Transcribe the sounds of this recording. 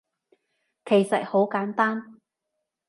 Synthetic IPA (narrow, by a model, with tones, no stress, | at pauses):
kʰe˨˩jsɐ˨t̚ho˨˥wkaː˨˥nt̪aː˥n